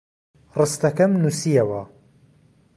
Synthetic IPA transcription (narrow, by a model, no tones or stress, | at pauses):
rɨst̪ɐkɐmnusijɐwɐ